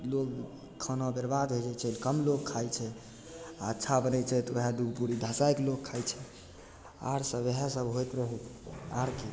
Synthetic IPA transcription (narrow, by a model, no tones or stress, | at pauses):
lok | kʰənɔbəɾbad̪ɦojd͡ʒat͡ʃʰelkəmlokʰːajt͡ʃʰɛ | aətːʃʰabənɛt͡ʃʰɛt̪eɦad̪uɡpuɾid̪ʱasajklokʰːajt͡ʃʰɛ | a̰ɾsəbeɦasəbɦojt̪ɾəɦɛaɾke